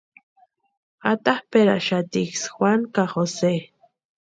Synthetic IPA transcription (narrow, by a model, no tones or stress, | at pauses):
at̪ahpeɾa̰ʔʃat̪iksxwankaχose